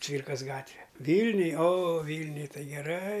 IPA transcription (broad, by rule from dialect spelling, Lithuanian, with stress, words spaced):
ˈt͡sʲʋʲiːrkɐs ˈɡɑːtʲʋʲɛ ˈʋʲiːlʲnʲʊj oː ˈʋʲiːlʲnʲʊj ˈtɐɪ ɡʲɛˈrɐɪ